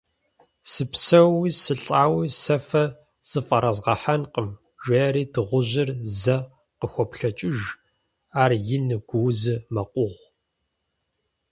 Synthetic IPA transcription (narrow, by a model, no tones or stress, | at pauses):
sɨpsɐwiːsɨɬʼaːwiːsɐfɐ | z̥ɨfʼɐɾɐzʁɐħanqʼəm | ʒeːɾiːdɨʁʷʊʑɪrzɐ | qəxʷɔpɬɐt͡ʃʼɪʒ | aːrjɪnɨɡʷuːzɨmɐqʷʼʊʁʷ